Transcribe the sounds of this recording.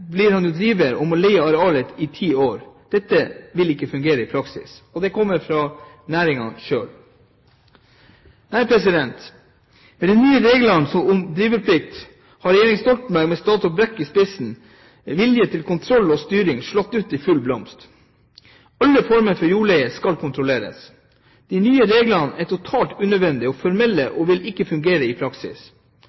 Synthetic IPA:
bliːɾhɑnd̪ʉd̪ɾiːʋəɾɔmɔlɛɪəɑɾɛɑːlət̪ɪt̪ʰiːoːɾd̪̥ɛt̪ːəʋɪlɪkːəfʉŋɡeːɾəɪpʰɾɑksɪ̰sɔd̪ɛkʰɔmːəɾfɾɑː | næːɾɪŋɑnʃø̰ːl | næɪpʰɾɛsɪd̪ɛnt̪ | mɛd̪ɛnːyːəɾeːɡl̩ɑnsɔmʊmd̪ɾiːʋəɾpʰlɪkt̪ | hɑɾɛjeːɾɪŋst̪ɔlt̪n̩bæɾɡmɛst̪ɑːt̪ɔbɾɛkːɪspɪsn̩ | ʋɪljət̪ʰɪlkʰʊnt̪ʰɾɔlːoːst̪yːɾɪŋʂɭɔt̪ːʉːt̪ifʉlblɔmst̪ | ɑlːəfɔɾmənfɔɾjuːɭɛɪəskɑlkʰʊnt̪ʰɾʊleːɾə̰s | d̪̥inyːəɾeːɡlɑnæt̪ʊt̪ʰɑːlt̪ʉːnœd̪ʋɛnd̪ɪoːfɔɾmɛlːəʔoːʋɪlɪkːəfʉŋɡeːɾəɪpʰɾɑksɪ̰s

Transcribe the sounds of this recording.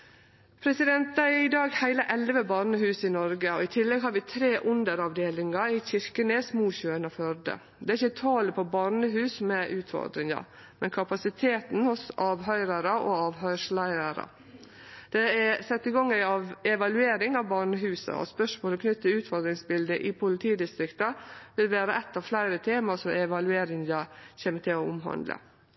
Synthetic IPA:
pʰɾɛsɪd̪ɛnt̪̚d̪æɪd̪ɑːɡhæɪləʔɛlʋəbɑːɾnəhʉːsɪnɔɾɡəɔɪt̪ʰɪlːɛɡɦɑːɾʋɪt̪ʰɾeːʔʊnd̪əɾɑʋd̪eːlɪŋɑɪçɪɾkənɛsmuːçøːənɔfœɾd̪ə̰ | d̪ɛæɾɪçːət̪ʰɑːləpʰɔbɑːɾnəɦʉːsmɛʔʉːt̪fɔ̰ɾd̪ɾɪŋɑ̰ | mɛnkʰɑpɑsɪt̪ʰeːt̪n̩hʊsɑːʋɦœʏɾəɾəʔɔɑːʋɦœʏʂlæɪɾəɾə̰ | d̪̥ɛæsɛt̪ːɪɡɑŋːæɑʋɛʋɑlʉeːɾɪŋɑʋbɑɾɳəɦʉːsə̰ɔ̰spœʂmoːlɔkʰnʏt̪ːəʉːt̪fɔɾd̪ɾɪŋsbɪld̪əʔɪpʰʊlɪt̪ʰiːd̪ɪst̪ɾɪkt̪ɑʋɪlʋeːɾəʔɛt̪ːɑːʋflæɪɾət̪ʰeːmɑsɔɛʋɑlʉeːɾɪŋj̪ɑçeːmət̪ɪlɔʊmɦɑ̰nd̪lə̰

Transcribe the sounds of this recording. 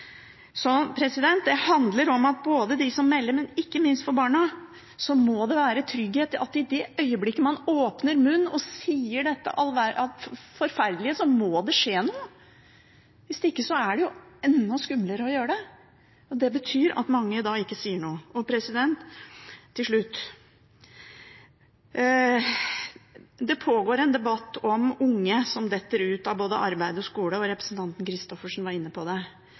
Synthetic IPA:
sɔpʰɾɛsɪd̪ɛnt̪̚d̪ɛhɑnd̪ləɾɔmɑt̪̚boːd̪əd̪ɪsɔmːɛlːəɾmɛnɪkːəmɪnst̪fɔɾbɑːɳə | sɔmod̪ɛʋæːɾət̪ʰɾʏɡheːt̪ɑt̪ːɪd̪ɛʔœʏəblɪkːəmɑnoːpnəɾmʉnːɔsiːəɖɛt̪ːə̰ʔɑlʋæɑt̪fɔɾfæɾd̪lɪəsɔmoːd̪ɛʂeːnuːə | ʋɪsd̪ɪkːəsɔæɖɛjʊɛnːɔskʉmləɾəɔjøːɾəɖɛ | ɔd̪ɛbət̪ʰyːɾɑ̰t̪mɑŋːəd̪ɑːɪkːəsiːəɳuːəɔpʰɾɛsɪd̪ɛnt̪ʰː | ɪlʂɭʉt̪ː | d̪ɛpʰoːɡoːɾɛnd̪ɛbɑt̪ːɔmʊŋːəsɔmd̪ɛt̪ːəɾʉːt̪ɑʋboːd̪ə̰ʔɑɾbæɪd̪əɔskuːləɔɾɛpɾəsnt̪ɑnt̪nkʰɾɪst̪ɔfəʂɔmʋɑɾɪnːəpʰɔd̪ɛ

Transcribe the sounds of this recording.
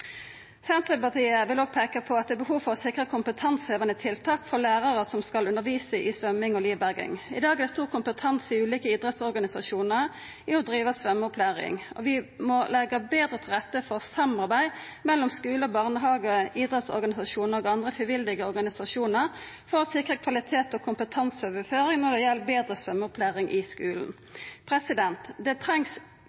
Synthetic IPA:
sɛnt̪ʁəpɑʁt̪ʰiːəʋɪloːɡ̚pʰeːkəpʰɔɑt̪̚d̪ɛːbəhuːʋfɔʁɔsɪkʁəkʰʊmpət̪ʰɑnsheːʋənət̪ʰɪlt̪ʰɑːkfɔʁlæːʁɑʁəsɔmskɑlʉnəʁʋiːsəʔɪsʋœmɪŋɔliːʋbæʁɡɪ̰ŋɪ̰d̪ɑːɡɛd̪ɛst̪uːʁkʰʊmpət̪ʰɑnsɪʉːliːkəiːd̪ʁɛt̪sɔʁɡɑnɪsɑʃuːnəʁ | ɪɔd̪ʁiːʋəsʋœmːɔpʰlæːʁɪ̰ŋɔ̰ʋɪmɔlɛɡəbeːd̪ʁət̪ʰɪlʁɛt̪ːəfɔʁsɑmɑʁbæɪ | mɛlːɔmskʉːləbɑʁnəɦɑːɡɔiːd̪ʁɛt̪sɔ̰ʁɡɑnɪsɑʃuːnəʁɔɡɑnd̪ʁəfʁɪʋɪld̪ɪɡəɔʁɡɑnɪsɑʃuːnəʁ | fɔʁsɪkʁəkʰʋɑlɪt̪ʰeːt̪ɔkʰʊmpət̪ʰɑnsoʋəføːʁɪŋnɔʁd̪ɛjɛlːbeːd̪ʁəsʋœmːəɔpʰlæːʁɪŋʔɪskʉːln̩ | pʰʁɛsɪd̪ɛnt̪d̪ɛt̪ʰʁɛŋs

